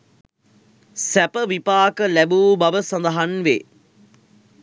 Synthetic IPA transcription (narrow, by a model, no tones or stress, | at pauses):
sæpəʋipaːkəlæbuːbɐʋəsɐ̃nd̪ɐɦanʋe